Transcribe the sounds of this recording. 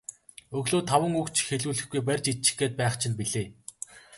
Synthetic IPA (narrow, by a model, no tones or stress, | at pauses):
ɵɣɮoːt̪ʰawə̆ŋukt͡ɕʰxeɮuːɮɘ̆xɡujp̬ærʲt͡ɕit͡ɕɪ̥̆xɡeːt̪̚pæːχt͡ɕʰĭnpiɮeː